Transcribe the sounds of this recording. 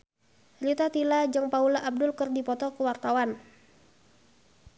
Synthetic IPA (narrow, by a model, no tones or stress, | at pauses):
rit̪at̪ilad͡ʒɨŋpaulaʔab̚dʊlkɨrdipɔt̪ɔkuwart̪awan